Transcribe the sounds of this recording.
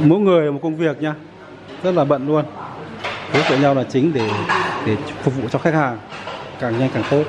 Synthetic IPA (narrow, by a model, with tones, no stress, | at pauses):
mo̰˧˥˦jŋɨ˨˩əjo˨˩t̚kə˧wŋ͡mvi˨˩ək̚ɲaː˧ | z̥ə˦˥t̚laː˨˩ɓə̰˧˨nlu˧ən | to˨˦jt̪ə̰˧˨ɲa˧wlaː˨˩t͡ɕï˨˦ŋ̟ɗe˧˩ɗe˧˩fʊ˨˩k͡p̚vṵ˧˨t͡ɕɔ˧xa˦˥k̚haː˨˩ŋkaː˨˩ŋɲa˧jŋkaː˨˩ŋt̪ʰo˧j